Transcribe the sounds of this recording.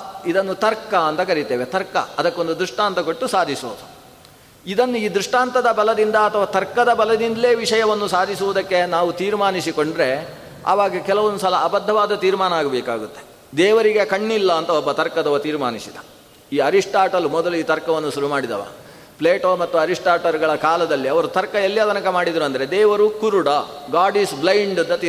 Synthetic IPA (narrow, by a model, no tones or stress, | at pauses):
id̪ɐnːut̪ɐɾkːɐɐnt̪ɐkɐɾit̪eːʋet̪ɐɾkɐ̰ɐd̪ɐkːo̞nd̪ud̪ɾuʂʈaːnt̪ɐkoʈːusaːd̪ʱisuʋud̪u | id̪ɐnːuiːd̪ɾuʂʈaːnt̪ɐd̪ɐbɐlɐd̪ind̪ɐːt̪ʰɐʋaːt̪ɐɾkɐd̪ɐbɐlɐd̪ind̪ɐleːʋiʂɐjɐʋɐnːusaːd̪ʱisuʋud̪ɐkːe̞naːʋut̪iːɾmaːnisikoɳɖɾe̞ | a̰ʋaːɡɐkɛlɐʋond̪usɐlɐɐbɐd̪ʱːɐʋaːd̪ɐt̪iːɾmaːnɐaːɡɐbɛːkaːɡut̪ːe | d̪ɛːʋɐɾiɡe̞kɐɳːilːɐːnt̪ɐɔbːɐt̪ɐɾkɐd̪ɐʋɐt̪iːɾma̰ːnisid̪ɐ | iːɐɾiʂʈaːʈɐlumɔd̪ɐluiːt̪ɐɾkɐʋɐnːuʃuɾumaːɽid̪ɐ̰ʋa̰ː | pleːʈoːmɐt̪ːuɐɾiʂʈaːɾʈɐɾuɡɐɭɐkaːlɐd̪ɐlːiɐʋɐɾut̪ɐɾkɐelːijɐt̪ɐnɐkɐmaːɽid̪ɾuɐnd̪ɐɾe̞d̪ɛːʋɐɾukuɾuɽɐɡaːɖisblɐjɳɖɐnd̪ɐt̪iː